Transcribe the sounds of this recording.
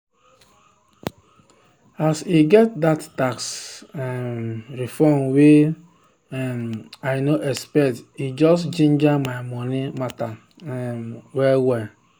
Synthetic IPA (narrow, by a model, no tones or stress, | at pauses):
asiɡɛt̚dattaks | ɾifɔmwe | maɪnoʔɛspɛtid͡ʒɔst͡ʃẽnd͡ʒamaɪmɔnimata | wɛwɛ